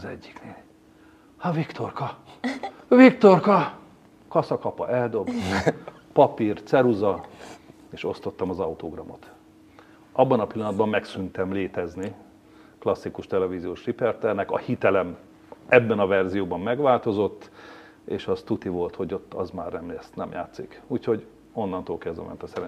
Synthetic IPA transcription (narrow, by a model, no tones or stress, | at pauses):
zɛ̰ɟːikneːl | hɒvikt̪o̞rkɒ | vikt̪o̞rkɒ | kɒsɒkɒpɒ̰ʔɛld̪o̞b̪ | pɒpirt̪sɛɾuzɒ | eːʃo̞st̪o̞t̪ːɒmɒzɒut̪oɡrɒmo̞̰t̪ | ɒbːɒnɒpilːɒnd̪bɒmːɛksynt̪ɛmleːt̪ɛzni | klɒsːikuʃt̪ɛlɛvizijoːʃripɛrt̪ɛrnɛkɒ̰hit̪ɛlɛm | ɛbːɛnɒvɛrzijoːbɒmːɛɡʋaːlt̪o̞zo̞t̪ː | ḛːʃɒst̪ut̪ivo̞lt̪ho̞ɟo̞t̪ːɒ̰zma̰ːrnɛmst̪nɛmja̰ːt̪sikuːcho̞ɟ | o̞nːɒnt̪oːlkɛzd̪ɛ̰mɛ̰nt̪ɒsɛɾɛ